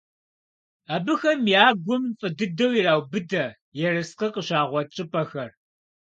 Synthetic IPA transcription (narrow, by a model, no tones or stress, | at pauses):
aːbɨxɐmjjaːɡʷʊmfʼɨdɨdɐwiraːwbɨdɐ | jɛrɨsqɐqəɕaːʁʷɔt͡ʃʼɪpʼɐxɐr